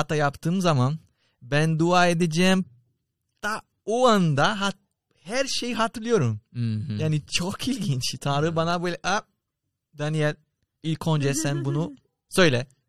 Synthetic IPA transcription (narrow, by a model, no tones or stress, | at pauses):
at̪ajapt̪ʰɯːmzaman | bænd̪uaːe̞d̪ed͡ʒɛːm | t̪a | oand̪aɦa | hæɾʃe̞jiɦat̪ʰɯɾlˠɯjo̞ɾumjaːnit͡ʃʰokʰilʲɟint͡ʃt̪ʰanɾɯbanabøjlʲɛʔa | d̪anijɛl | ilʲkʰond͡ʒɛsɛnbunu | sø̞jlʲɛ